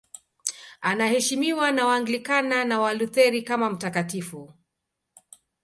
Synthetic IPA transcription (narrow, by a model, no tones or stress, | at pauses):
anahɛʃimiwanawaːŋɡlikananawaluθɛɾikamam̩takatifu